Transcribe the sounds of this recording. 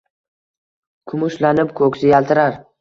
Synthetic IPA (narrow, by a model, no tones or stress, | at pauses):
kʰʊmʊʃlanɪpkʰɵkʲsɪjalt̪ʰɪɾaɾ